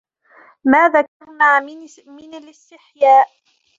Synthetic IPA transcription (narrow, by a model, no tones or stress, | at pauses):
maːðaːkaɾˤnaː | mɪnalɪst̪ɪħjaːʔ